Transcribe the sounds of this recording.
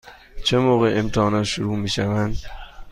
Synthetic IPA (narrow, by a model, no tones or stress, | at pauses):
t͡ʃʰemoːɣeʔemt̪ʰɒːnɒːt̪ʃoɾuːmiːʃævænd̪